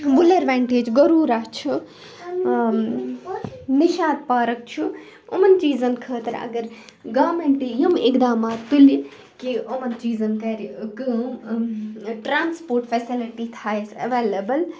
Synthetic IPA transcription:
ʋʊleɖʋẽːɳʈeːd͡ʒɡɐɾuːɾat͡ʃʰu | nɪʃaːd̪̚paːɾɐk̚t͡ʃʰu | ʊmɐnt͡ʃiːzɐnkʰəːt̪ɐɾɐ̰ɡɐɾ | ɡaːmeɳʈijumɪkd̪aːmaːt̪ːʊli | kiʊmɐnt͡ʃiːzɐnkɐɾɡəm | ʈɾãːnspoːɾʈfesilɪʈit̪ʰaːesɐ̰ʋeːlɐbəl

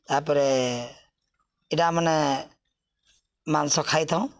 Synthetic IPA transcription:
t̪apɔɾɛ | idamanɛ | mansɔkʰajt̪ʰãʊ̃

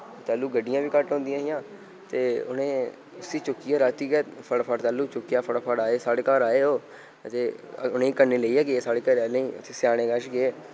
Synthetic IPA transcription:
t̪aːlːuːɡəɖːɪjãːʋiːkəʈɦõːnd̪ɪjãːɦɪjãː | t̪eːʊ̰nẽː | ʊsiːt͡ʃʊkːiːɛːɾaːt̪iːɡɛːpʰəɽpʰəɽt̪aːlːuːt͡ʃʊkːjaːpʰəɽːpʰəɽaːeːsaːɽeːkaːɾaːeːoː | t̪eːʊnẽːkənːeːləiːɛːɡeeːsaːɽeːkəɾɛːẽḭ̃ːt̪ʰːsjaːɽ̃ẽːɡəʃɡeeː

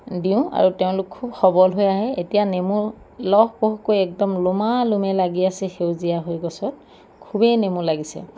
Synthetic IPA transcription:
dĩʊ̃a̰ɹuteʊ̃lʊkʰːubxɔbɔlɦojaɦɛetijanemu | lɔhkoɦkojɛk̚dɔmlʊmalumɛlaɡiasɛxewzijaɦojɡɔsɔt̚ | kʰubɛjnemulaɡisɛ̰

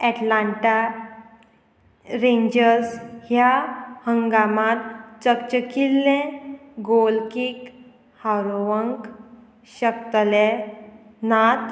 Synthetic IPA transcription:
ɛʈlaɳʈa | ɾẽɲd͡ʑəɾshjahəŋɡamãt̪t͡səkt͡ɕəkilːẽɡolkik | hawɾoʋəŋk | ɕəkt̪le | nat̪

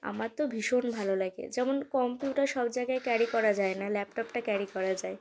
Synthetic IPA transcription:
a̰maɾt̪obʱiʃonbʱalolaɡḛd͡ʑɛmonkɔmpjiuʈaɾʃɔbd͡ʑaeɡaekɛɾikɔɾad͡ʑaenalɛpʈɔpʈakɛɾikɔɾad͡ʑae

